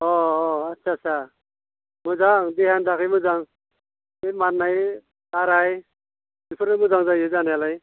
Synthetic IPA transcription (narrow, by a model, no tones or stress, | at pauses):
ɔatːsʰasʰa | muzaŋd̪eɦand̪akʰɯjmuzaŋ | emaɾnaj | taɾaj | dipʰɯɾɯmuzaŋzajɯzanjalaj